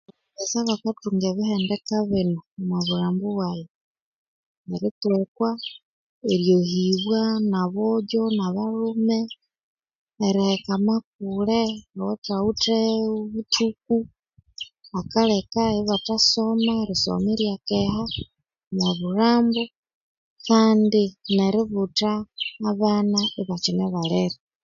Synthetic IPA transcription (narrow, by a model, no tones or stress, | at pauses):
βesaβakatuŋɡeβihendɛkaβɪnomwaβuɾaːmboβwaje | eɾitwekwa | eɾjohiβwanaβoɟonaβaɾume | ɾihekamak̚ulewotauteoβutuk̚u | akalekaiβatasomaeɾiso̰meɾjakeha | naβuɾaːmbo | kaːndineɾiβutaːβanaeβat͡ʃineβaleɾe